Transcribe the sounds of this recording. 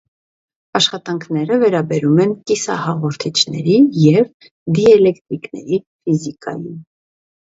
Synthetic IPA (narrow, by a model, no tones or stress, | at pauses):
ɑʃχɑt̪ɑŋkʰnɛɾəvɛɾɑbɛɾumɛnkisɑ̰hɑʁɔɾt̪ʰit͡ʃʰnɛɾijɛv | d̪iɛlɛkt̪ɾiknɛ̰ɾi | fizikɑ̰jin